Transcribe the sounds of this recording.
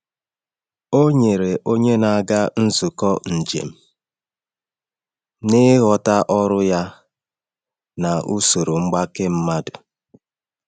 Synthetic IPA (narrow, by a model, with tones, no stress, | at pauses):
o˦ɲe˨ɾe˨ʔo˦ɲe˦na˨a˦˨ɡa˦n̩˦zʊ˨kɔ˦n̩˨d͡ʒḛ˨m̩˦˨ | nɪ˦ɣɔ˨ta˦ʔɔ˦ɾʊ˦ja˦ | na˨ʔu˦so˨ɾo˨ŋ͡m̩˦ɡ͡ba˦ke˦m̩˦ma˦dʊ˨